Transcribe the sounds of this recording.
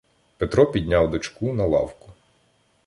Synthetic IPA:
pet̪ɾɔpʲid̪ʲnʲawd̪ɔt͡ʃkunɐlˠɑ̰wkʊ̥

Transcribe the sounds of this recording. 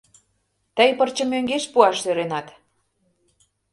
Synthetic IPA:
t̪əjpərt͡ɕə̆møŋɡeʃpuɑʃt̪øɾenɑt̪

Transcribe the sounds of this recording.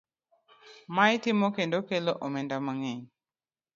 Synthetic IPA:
majtɪmokendokeloʔomɛndamaŋɛɲ

